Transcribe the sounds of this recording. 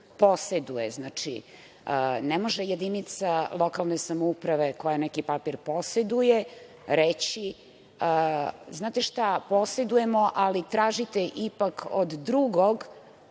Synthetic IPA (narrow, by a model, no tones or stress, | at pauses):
po̞sed̪ujeznaːt͡ʂḭ | ənemoʒejed̪init̪salˠo̞kalˠnesamoupɾaʋe̞ko̞janɛkipapiɾpo̞sed̪uje | ɾet͡ɕi | əznaːt̪eʃt̪apo̞sed̪ujemoʔalit̪ɾaːʒit̪eʔipakʰo̰d̪ːɾuɡoɡ